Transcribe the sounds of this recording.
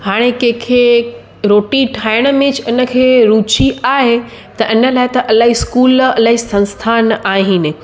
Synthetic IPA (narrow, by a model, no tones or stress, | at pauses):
haːɽ̃ekɐ̃ɦkʰeː | ɾoːʈiʈʰaːɪɽ̃ə̆mẽt͡ɕɪnə̆kʰeːɾuːt͡ɕiʔaːɦe | t̪ɐʔɪnə̆laːɦɪt̪ɐʔɐlaːɦiskuːlɐlaːɦisɐ̃nst̪ʰaːnaːɦinɪ